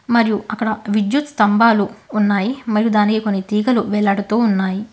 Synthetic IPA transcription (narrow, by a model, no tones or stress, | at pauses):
mɐɾijuʔɐkːɐɽɐʋid͡ʒjut̪st̪ɐmbaːluːnːaːjimɐɾijud̪aːnikiko̞nːit̪iːɡɐluʋɛlːɐɽut̪uːunːaːji